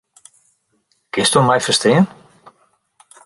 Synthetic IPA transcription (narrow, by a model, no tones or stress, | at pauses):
kɪnstunmajfəstɪːən